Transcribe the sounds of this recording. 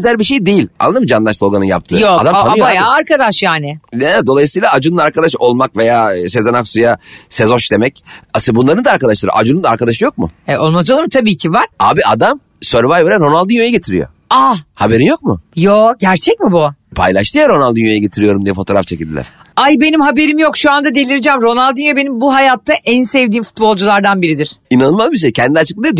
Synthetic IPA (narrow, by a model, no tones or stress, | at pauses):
zælʲbiʃe̞jd̪e̞jilʲa̰nːˠad̪ɯmɯd͡ʒanlˠaʃlˠo̞ɡanɯnja̰p̚t̪ʰɯːjoad̪amajajaːɾkad̪aʃjaːnɪɛd̪o̞lˠajɯsɯjlˠaːd͡ʒununaɾkʰad̪aʃo̞lˠmakve̞jaːse̞zanaksujase̞zo̞nʃd̪e̞mɛcasɯbunˠaɾɯnd̪aːɾkad̪aʃlˠaɾɯ̰ʔa̰d͡ʒunund̪aɾkad̪aʃɯjo̞k̚mʊ̰ɛo̞lˠmaz̬olˠaɾmt̪ʰabiːcʰivaɾ̥aːbiʔad̪am | søɾvajveɾænɾo̞nalˠd̪ɯnjojɛɟe̞t̪ʰiɾijo̰ | ahabe̞ɾinjo̞k̚mʊjoɟæɾt͡ʃʰɛc̚mibupʰa̰jlʲˠaʃt̪ʰɯjaɾo̞nalˠd̪ynjo̞jɛɟe̞t̪ʰiɾijo̞ɾumd̪ijɛfo̞t̪ʰo̞ɾaft͡ʃʰecilʲd̪ḭlʲæ̰ɾ̥ | ajbe̞nimɦabe̞ɾimjo̞kʃuand̪ad̪e̞lʲiɾd͡ʒɛmɾo̞nalˠd̪ynjobe̞nimbuɦajaːt̪ʰːaʔænsɛvd̪iːnfu̥t̪bo̞lˠd͡ʒulˠaɾd̪anbiɾid̪iɾ̥inanɯlˠmazbiʃ̬ejcʰɛnd̪ilʲɛat͡ʃʰɯklˠamɯja